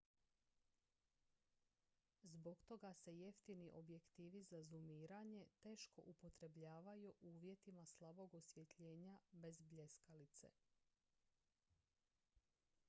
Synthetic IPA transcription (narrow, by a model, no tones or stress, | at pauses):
zbo̞ɡt̪o̞ɡase̞jeft̪iniʔo̞bje̞kt̪iːʋizazumiːɾaɲe̞t̪e̞ːʃko̞̰ʔupo̞t̪ɾe̞bʎaːʋajuʔuːʋje̞t̪imaslˠabo̞ɡosʋje̞t̪ʎeːɲabe̞zbʎe̞skalit̪sḛ